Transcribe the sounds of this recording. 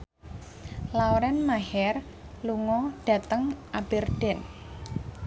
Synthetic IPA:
lawɾɛnmahɛr | luŋɔɖ̥a̤t̪əŋʔab̥ɛ̤rd̥ɛ̤n

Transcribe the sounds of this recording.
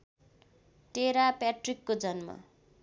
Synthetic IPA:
ʈeɾapaʈrikːod͡zʌnmʌ̰

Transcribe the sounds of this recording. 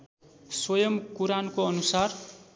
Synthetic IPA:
swʌjʌmkuɾankoʌnusar

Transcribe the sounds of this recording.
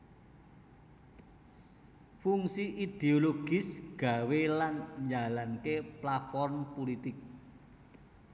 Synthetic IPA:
fuŋsiʔid̪̥eoloɡ̥ɪ̤sɡ̥a̤welanɲd͡ʒalankeplat̪fɔrmpolit̪ɪk̚

